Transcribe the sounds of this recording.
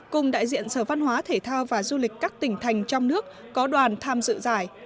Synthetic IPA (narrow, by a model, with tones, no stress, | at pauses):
kʊ˨˩ŋ͡mɗa̰ː˧˨jzḭ˧˨ənsəː˧˩va˧nhwaː˨˦t̪ʰe˧˩t̪ʰaː˧wvaː˨˩zu˧li˨˩k̟kːaː˦˥k̚t̪ï˧˩ŋ̟t̪ʰa˨˩jŋ̟t͡ɕɔ˧wŋ͡mnɨ˦˥ək̚ːɔ˨˦ɗwaː˨˩nt̪ʰaː˧mzɨ̰˧˨zaː˧˩j